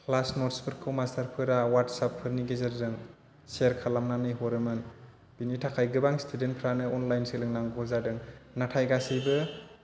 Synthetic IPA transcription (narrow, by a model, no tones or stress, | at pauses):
pʰlasnɔɾtspʰɯɾkʰːɯwmastaɾpʰɯɾawatsapʰːɯɾniɡezɯɾzɯŋ | seɾkʰalamnanɯjɦɔɾɯmɯn | b̥initʰakʰajɡɯbaŋstʰudenpʰɾanɯɔnlajnselɯŋnaŋɡɔzadɯŋnatʰajɡasijbɯ